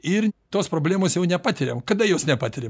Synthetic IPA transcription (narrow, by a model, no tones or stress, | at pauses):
ɪɾt̪oːspɾoːbʲlʲæːmoːsjɛʊnʲɛpɑːt̪ʲɪɾʲḛmkɐd̪ɐjoːsnʲɛpɑːt̪ʲɪɾʲe